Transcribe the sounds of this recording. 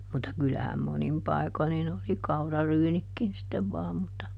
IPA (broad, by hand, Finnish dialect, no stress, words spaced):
mutːɑ kylæhæm monim pɑi̯ko nin oli kɑurɑryːnikːin sitːeʋ ʋɑːm mutːɑ